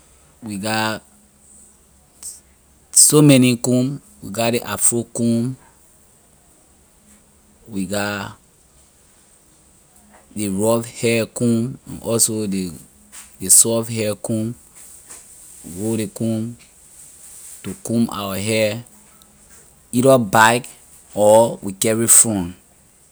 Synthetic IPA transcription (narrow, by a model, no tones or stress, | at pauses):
wiɡa | somɛnikũm | wiɡadeʔafɹukũm | wiɡa | deɹɔvhɛkũmã̰nʔɔsode | desɔfhɛkũm | ɹoɾekũm | tukũma̰waɦɛ | iɾɔbaɪk | ɔwikɛɹifɹɔ̃n